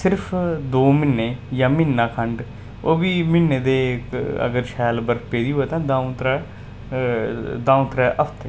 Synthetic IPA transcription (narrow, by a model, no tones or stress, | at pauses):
sɪɾpʰd̪oːmɪnːeːjãːmɪnːaːkʰəɳɖ | oːbiːmɪnːeːd̪eːə̰ɡəɾʃʰɛːlbəɾpeːd̪iːɦoeːt̪ãːd̪ãːũt̪ɾa | d̪ãːũt̪ɾɛːʔəfʰt̪e